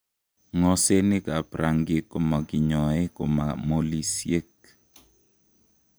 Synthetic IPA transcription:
ŋɔ˦se˦nɪ˦ka˨pɾa˨ŋɡe˦ko˨ma˨ɡɪ˨ɲɔ˨e˦ko̰˨ma̰˨mo˦li˦sie˦k

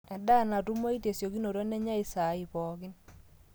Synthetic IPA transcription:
ɛ˨da˦˨na˨tu˦mo˦i˦te˨sjo˨ki˦no˨ɾo˦nɛ˦ɲa˦i˦sa˨˦i˨pɔ˨kɪ˦n

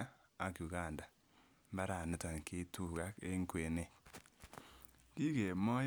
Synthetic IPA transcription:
a˦ | a˨˦kju˨ɡa˦˨nda˨ | mba˦ɾa˨nʊ˦ta˨ŋke˦tu˦˨ɣa˦ke˦ŋ˦kwe˨ne˦ | ki˦ke˨mɔ˦j

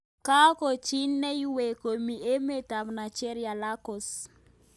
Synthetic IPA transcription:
ka˦ko˨t͡ʃi˦nːɛ˦i˦we˨ko˨mi˨e˦me˦˨ta˨mna˨t͡ʃe˦ɾja˨la˦kɔ˨s

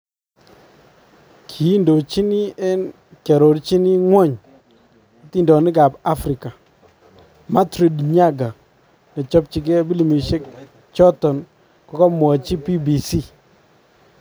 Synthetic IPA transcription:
kʰi˨i˦ndo˨t͡ʃi˦ni˦ɛ˦n | kɛ˨ɾo˨ɾt͡ʃi˦ni˦ŋwɔ˦˨ɲ˨ | ti˦ndɔ˨nɪ˦ɡa˨ba˦fɾɪ˨ka˨ | ma˦tɾi˨dɲa˦ɡa˨ | nɛ˨t͡ʃɔ˦p̚t͡ʃi˨k̬ɛ˦bi˦li˨mi˨ʃe˦k̚ | t͡ʃɔ˦tɔ˨n | kɔ˨˦kɔ˦mɔ˨t͡ʃi˦pi˦bi˨si˦˨

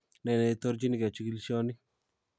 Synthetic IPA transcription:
nɛ˨nɛ˨i˨to˦ɾd͡ʒi˦ni˨kɛ˨t͡ʃi˦ki˦lʃɔ˦ni˦

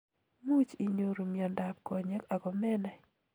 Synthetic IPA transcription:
mu˦t͡ʃi˨ɲo˨ɾu˨mi˨ɔ˨nda˨p̚kɔ˨ɲɛ˦ka˨ɡɔ˨mɛ˦nɛ˨

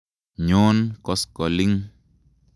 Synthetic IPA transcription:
ɲoː˦nkɔ˦skɔ˨li˦ŋ

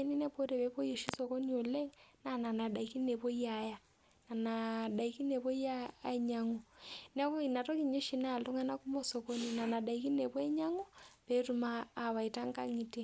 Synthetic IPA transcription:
ɛ˦ni˦nɛ˦po˦ɾɛ˨βɛ˦pɔ˦io˨ʃi˦sɔ˨ko˦ni˨o˨lɛ˦ŋna˨na˨na˨ɗa˨i˨ki˦nɛ˨po˦ia˨ja˨ | na˨na˨ɗa˨i˦ki˦nɛ˨βɔ˦i˦a˦ɛ˨ɲa˦ŋɔ˨nɛ˦βɔ˦i˨na˨tɔ˦ki˨ɲd͡ʒe˦ʃi˦na˦˨lɔ˦ŋa˦na˦ku˦mɔ˦sɔ˨ko˦ni˨na˨na˨ɗa˨i˦ki˦nɛ˨pɔ˦ɛ˦ɲa˦ŋu˦pɛ˦tu˨maː˦˨βa˨i˨ta˦ŋ˦ka̰˦ŋi˨ti˦

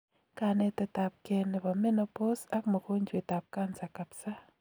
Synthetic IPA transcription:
ka˨nɛ˦tɛ˦ta˨p̚kɛ˦nɛ˨ba˨me˦no˦po˦sa˦kmo˨ko˦ɲd͡ʒe˨ta˨p̚ka˦nsa˨ka˨psa˦

